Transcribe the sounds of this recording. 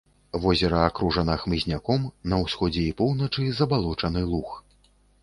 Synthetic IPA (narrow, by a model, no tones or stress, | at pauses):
vɔzʲɛɾɐakɾuʐɐnɐxmɨzʲnʲakɔmnɐwsxɔd͡zʲɛipɔwnɐt͡ʂɨzɐbalˠɔt͡ʂɐnɨlˠux